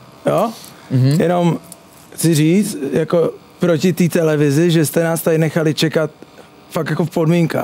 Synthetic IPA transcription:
jo | jɛno̞m | t͡sɪriːt͡st̪jako̞ | pɾocɪt̪iːt̪ɛlɛvɪzɪʒɛst̪ɛnaːst̪aɪnɛxalɪt͡ʃɛkat̪̚ | fakjakofpodmiŋka̰ː

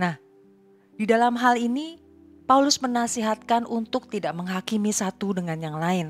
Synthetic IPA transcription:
nah | didalamɦalini | paulʊsmənasiɦat̪̚kanʔunt̪ʊk̚t̪idaʔməŋɦakimisat̪udəŋanjaŋlaɪn

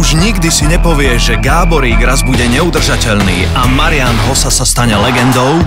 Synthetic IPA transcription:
uʒɲiɡd̪isiɲɛpɔʋɪɛʒʒɛɡaːbɔɾiːɡɾazbuɟɛɲɛud̪r̩ʒacɛʎnḭːamaɾɪanɦɔsasast̪aɲɛlɛɡɛnd̪ɔʊ

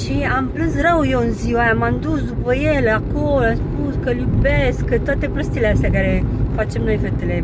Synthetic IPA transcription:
ʃiamplɨnsrəwjewɨnziwajamamd̪usd̪upəjelakolamspuskəlʲjubeskət̪oat̪e̞pɾəst̪ileast̪eakaɾe̞fat͡ʃe̞mno̞jfet̪ele

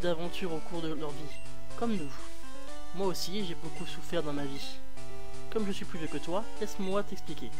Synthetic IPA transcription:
d̪avɑ̃t̪yʁokuʁd̪əlœʁvi | kɔmnu | mwaosiʒebokusufɛʁd̪ɑ̃mavi | kɔmʒəsɥiplyvøkət̪wa | ɛsmwat̪ɛksplikʲe

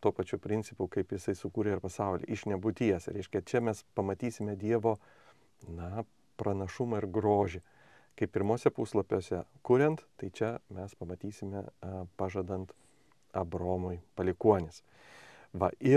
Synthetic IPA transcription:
t̪uːpɐt͡ʃʲupʲɾʲɪnʲt͡s̪ʲsʲɪpʊkɐɪpjɪsɐɪsʊkuːɾʲeɪɾpɐsɐʊlʲɪ̰ːʔɪʃnʲɛbʊt̪ʲijɛsɾʲɛɪʃʲkʲɛt͡ʃʲɛmʲɛspɐmɐt̪ʲiːsʲɪmʲɛd̪ʲiɛʋoː | nɐ | pɾɐnɐʃʊmɐɪɾɡɾoːʒʲɪ | kɐɪpʲɪɾmoːsʲɛpuːslˠɐpʲoːsʲɛkʊɾʲɛnt̪t̪ɐɪt͡ʃʲɛmʲɛspɐmɐt̪ʲiːsʲɪmʲɛpɑːʒɐd̪ɐnt̪ | ɐbɾoːmʊɪpɐlʲɪkuɔnʲɪs | ʋɐɪ

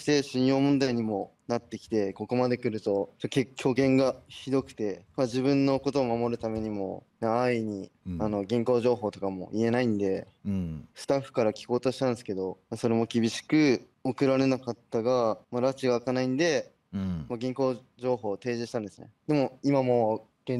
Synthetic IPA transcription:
ɕi̥t̪e̞ɕĩɰ̃jo̞ːmõ̞nd̪aiɲ̟imo̞nat̪ːe̞kʲi̥t̪e̞ko̞ko̞mad̪e̞kɯ̟ɾɯ̟t̪o̞t͡ɕot̪ːekʲʰo̞ːɡẽ̞ŋɡaçid̪o̞kɯ̟̥t̪e̞mad͡ʑiβɯ̟̃nːo̞ko̞t̪o̞ːmamo̞ɾɯ̟t̪ame̞ɲ̟imo̞̰naːiɲ̟iano̞ɡʲĩŋko̞ːʑo̞ːɦo̞ːt̪o̞kamo̞̰ʔie̞naĩnd̪e̞ | sɨ̥t̪aɸːɯ̥kaɾakʲi̥ko̞ːt̪o̞ɕi̥t̪ãnd̪esɨ̥ke̞d̪o̞maso̞ɾe̞mo̞kʲibʲiɕi̥kɯ̟ | okɯ̟ɾaɾe̞nakat̪ːaɡamaɾat͡ɕiɡaːkanaĩnd̪e̞ | maɡʲĩŋko̞ː | ʑo̞ːɦo̞ːt̪e̞ːʑiɕi̥t̪ãnd̪esɨnḛd̪e̞mo̞imamo̞ː | ɡ̥ẽ

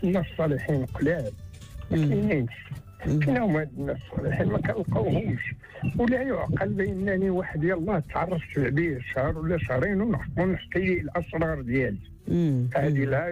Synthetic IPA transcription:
ʔənːæsˤːɑliħinqlæl | mækæjninʃ | kinæhʊmhæd̪ənːæsˤːɑ̰liħinmækænəlqɑwhʊmʃ | wlæjʊʕqɑlbəʔənːæniwaħəd̪jælˤːɑht̪ːʕɑrˤːɑft̪ʕbiəʃɑhɾˤwəlːæʃhɾˤinunəħtˤunəħt̪ililʔɑsˤɾˤɑɾˤd̪jæli | fæhæd̪ilæ

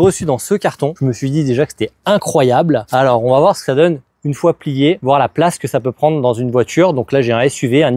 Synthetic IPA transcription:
ʁəsyd̪ɑ̃səkʲaʁt̪ɔ̃ʒəməsɥid̪id̪eʒakəse̥t̪ɛɛ̃kχwajablalɔʁɔ̃vavwaʁsə̥kə̥sad̪ɔn | ynfwaplijevwaʁlaplaskəsapøpχɑ̃d̪ʁəd̪ɑ̃zynvwat̪ʰyːʁd̪ɔ̃klaʒẽɛsɥiveɛ̃n

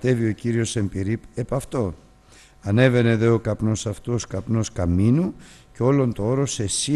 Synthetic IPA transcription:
t̪e̞vio̞ciɾio̞se̞mpiɾipe̞pɐft̪o̞ | ɐne̞ve̞ne̞ðe̞o̞kɐpno̞sɐft̪uoskɐpno̞skɐminu | ceo̞lo̞nt̪ooɾo̞se̞si

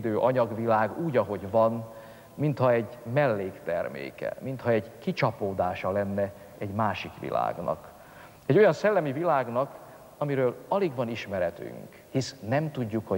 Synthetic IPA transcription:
d̪øːʔɒɲɒɡʋilaːɡuːɟɒɦo̞ɟvɒn | mint̪hɒɛɟmɛlːeːkt̪ɛrmḛːkɛ̰mint̪hɒɛɟkit͡ʃɒpoːd̪aːʃɒlɛnːɛ | ɛɟmaːʃikʋḭla̰ːɡnɒ̰k | ɛɟojɒnsɛlːɛmivilaːɡnɒk | ɒmiɾøːlɒliɡʋɒniʃmɛɾɛt̪y̰ŋk | hisnɛmt̪uɟːukho

